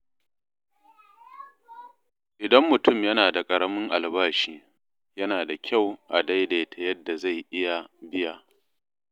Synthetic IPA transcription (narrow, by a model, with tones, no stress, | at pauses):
ʔɪ˨dɐ˦mːʊ˨tʊ˦mjɐ˦naː˨da˨kʼɐ˨ɽɐ˦mɪ˦ŋʔa˨lbaː˦ʃiː˦ | jɐ˦naː˨da˨kʲʰa˦˨wʔa˨da˦jde˨jtʰa˨jɐ˦dːa˨za˦˨jʔɪ˦ja˨bɪ˦jaː˦